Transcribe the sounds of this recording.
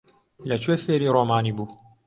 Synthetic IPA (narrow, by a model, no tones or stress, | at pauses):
lat͡ʃwefeɾiɾˤomaːnibu